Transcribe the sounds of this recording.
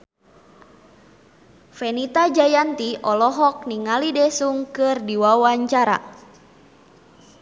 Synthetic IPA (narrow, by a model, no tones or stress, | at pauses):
fɛnit̪ad͡ʒajant̪iʔɔlɔɦɔk̚niŋalidɛsuŋkɨrdiwawaɲt͡ʃaɾa̰